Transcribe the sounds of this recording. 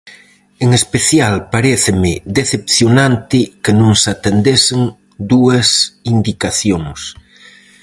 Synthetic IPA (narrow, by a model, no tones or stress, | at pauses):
eŋespeθjalpaɾeθemɪðeθepθjonãnt̪ɪkenõŋsat̪end̪eseŋ | d̪uɐsind̪ikaθjoŋs